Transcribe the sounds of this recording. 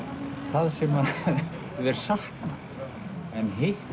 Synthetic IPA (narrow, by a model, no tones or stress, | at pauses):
θaðsɛma | vɛɾ̥sahk̪nna | ɛnɦeh